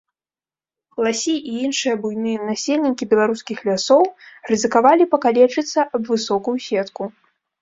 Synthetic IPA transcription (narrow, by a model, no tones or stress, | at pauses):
lˠasʲiʔiinʂɨjɐbujnɨjɐnasʲelʲnʲikʲibʲɛlˠaɾuskʲixlʲasɔwrɨzɨkavalʲipɐkalʲɛt͡ʂɨt̪sːɐʔɐbvɨsɔkujusʲɛt̪ku